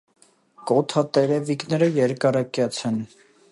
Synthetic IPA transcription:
kɔt̪ʰɑt̪ɛɾɛviknɛɾəjɛɾkɑɾɑkjɑt͡sʰɛn

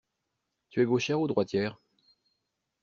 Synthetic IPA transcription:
t̪yɛɡoʃɛʁod̪ʁwat̪jɛːʁ

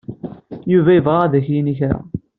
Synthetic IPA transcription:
juvæjəvʁaðæçjiniçɾæ̰

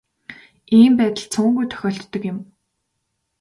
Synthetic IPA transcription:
iːmpæːt̪ə̆ɮt͡sʰʊːŋɡujt̪ʰœ̥xʲɔːɬt̪ːɞ̆kjɪ̆m

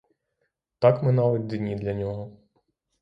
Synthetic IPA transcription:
t̪ɑkmɪnɑʋɐd̪ʲd̪inʲid̪lʲɐnʲɔɦɔ

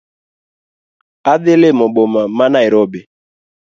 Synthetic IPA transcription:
aðɪlemɔɓɔmamanaiɾɔbe

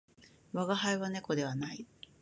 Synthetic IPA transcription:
βaɡahaiβane̞ko̞d̪e̞βanai

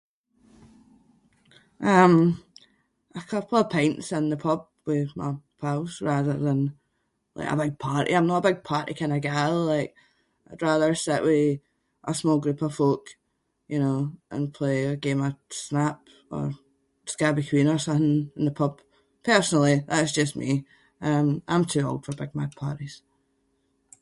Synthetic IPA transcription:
ʔʌ̃m | ʔəkʰʌpʰl̩ˠə̥pʰẽɪ̃ntsɪ̃nðəpʰʌb̥̚wɪðma̰ɪpʰaʊsɹaðə˞ðə̃n | lˠa̰ɪkə̰bɪɡ̚pʰaɹʔḭãɪ̃mnəʔəbɪɡ̚pʰaɹʔḭkʰãɪ̃nəɡalˠaɪk | ɪdɹaðə˞sɪʔwɪ | ʔəsmɔlˠɡɹʉpəv̥fok | jɨnoːʔə̰̃npʰl̥eəɡẽməsnap | ə̰̥˞ | skaɪbɪkʰw̥ĩnə˞sʌ̃nθɪ̃ŋə̃nðəpʰʌb̥̚ | pʰɜ˞sənl̩ˠiðaʔsd̥d͡ʒʌsmi | ʌ̃mʔã̰ɪ̃mtʰʉo̰lˠd̥fə˞bɪɡ̚maɡ̚pʰaɹʔiz̥

